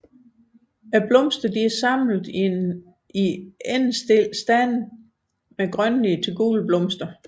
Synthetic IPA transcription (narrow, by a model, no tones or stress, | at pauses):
æb̥lɔ̽msd̥ɐd̥iæɐsɑ̈mlð̩ˠ | iensd̥e̝l̰sd̥æn̰ | meɡ̥ʁɶnliət͡sʰe̝ɡ̥ṵːlb̥lɔ̽msd̥ɐ